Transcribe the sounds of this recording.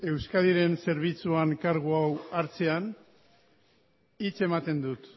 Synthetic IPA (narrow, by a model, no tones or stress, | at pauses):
e̞wskaðiɾe̞nse̞ɾβ̞it͡suaŋkaɾɣ̞uawaɾt͡se̞an | it͡se̞mat̪e̞nd̪ut̪